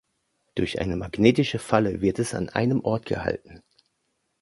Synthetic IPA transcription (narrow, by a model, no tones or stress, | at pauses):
d̥ʊɐçʔa̰ɪnəmaɡneːtɪʃəfaləvɪɐtɛsa̰nʔa̰ɪnəmʔɔɐtɡ̥ə̰ha̰ltn̩